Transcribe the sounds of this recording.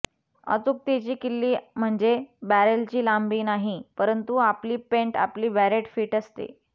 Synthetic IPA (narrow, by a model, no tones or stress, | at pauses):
ə̰t͡suk̚t̪et͡ɕiːkilːiːm̤əɳd͡ʑebæɾəlt͡ɕiːlambiːnaɦipəɾənt̪uapliːpẽɳʈa̰pliːʋæɾeʈfiːʈəst̪ḛ